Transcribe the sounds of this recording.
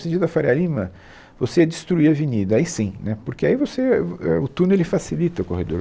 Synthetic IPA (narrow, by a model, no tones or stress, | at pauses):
sẽd͡ʒid̪ɐfaɾialĩmɐ | voseɛd͡ʒɪst̪ɾuiɐvinid̪ɐaisĩnɛpoɾkeaivoseɛ̰ʊt̪unelɪfasilit̪ɐʊkohed̪o̰ɾ